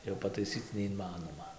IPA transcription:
jɛʊ pɐtɐɪˈsʲiːt͡s nʲɛɪnˈmɑːnoːmɐ

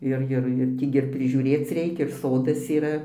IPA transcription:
ˈɪr ˈjɪr jɪr ˈtʲiː ɡʲɪ ɪr pʲrʲɪʒʲuːˈrʲeːt͡s ˈrʲɛɪkʲɛ ɪr ˈsoːdɐs iːˈrɐ

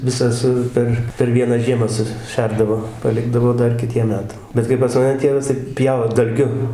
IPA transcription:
ˈʋʲɪsɐ sʊ ˈpʲɛr pʲɛr ˈʋʲiɛnɑː ˈʒʲiɛmɑː sʊˈʃʲɛrdɐʋoː pɐˈlʲɪɡdɐʋoː ˈdɐr kʲɪˈtʲiɛm ˈmʲæːtɐm ˈbʲɛt kɐɪ pɐs mɐˈnʲɛ ˈtʲeːʋɐs tɐɪ ˈpʲjɛʊ dɐlʲˈɡʲʊ

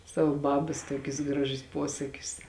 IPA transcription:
ˈsɑːʋɐ ˈbɑːbɐs ˈtuɔkʲʊs ˈɡrɑːˌʒʲʊs ˈpuɔsɐkʲʊs

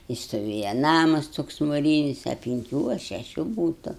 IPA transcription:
tʲɪ stoːˈʋʲeːjɛ ˈnɑːmɐs ˈtoːks mʊˈrʲiːnʲɪs ɐ pʲɪŋʲˈkʲuː ɐ ʃʲɛˈʃʲuː ˈbuːtʊ

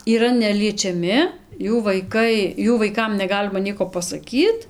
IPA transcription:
iːˈrɐ nʲɛlʲiɛt͡ʃʲɛˈmʲɪ ˈjuː ʋɐɪˈkɐɪ ˈjuː ʋɐɪˈkɐm nʲɛˈɡɑːlʲɪmɐ ˈnʲiɛkoː pɐsɐˈkʲiːt

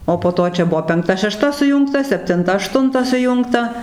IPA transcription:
oː poː ˈtoː t͡ʃʲɛ ˈbʊʋoː pʲɛŋkˈtɐ ʃʲɛˈʃtɐ sʊˈjuːŋktɐ sʲɛpʲtʲɪnˈtɐ ɐˈʃtʊntɐ sʊˈjʊŋktɐ

